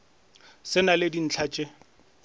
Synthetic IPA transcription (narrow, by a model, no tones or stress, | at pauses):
sɪnalɪdin̩t͡ɬʰat͡ʃʼɪ